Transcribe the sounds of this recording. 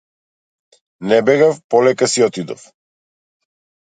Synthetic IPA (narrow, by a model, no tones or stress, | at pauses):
nɛbɛɡafpɔlɛkasiɔt̪id̪ɔ̰f